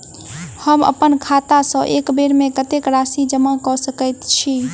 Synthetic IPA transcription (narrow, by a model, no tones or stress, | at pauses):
həmə̰pənkʰat̪asə̃ʔekbeɾmekət̪ekɾasid͡ʒəmakɔsəkəjt̪t͡ʃʰi